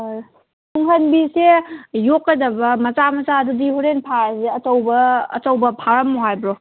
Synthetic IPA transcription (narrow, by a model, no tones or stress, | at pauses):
nuŋɦɐnbisejokːɐdɐbɐmɐt͡ʃamɐzadudihuɾenpʰaaseɐtɐwbɐ̰ːtɐwbɐpʰaɾɐmːoɦajbɾo